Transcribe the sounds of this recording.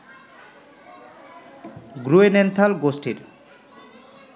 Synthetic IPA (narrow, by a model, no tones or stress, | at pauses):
ɡɾuenɛnt̪ʰalɡosʈʰiɾ